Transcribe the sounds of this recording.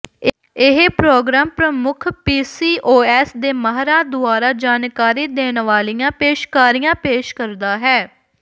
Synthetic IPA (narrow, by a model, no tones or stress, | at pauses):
ɪɦpɾoːɡɾaːmpɾəmʊkʰpiːsiːʔoːɛːsd̪eːməɦɾaːd̪ʊaːɾaːd͡ʒaːnkaːɾiːd̪eːnʋaːlɪjãːpeːʃkaːɾijãːpeːʃkəɾd̪aːɦɛː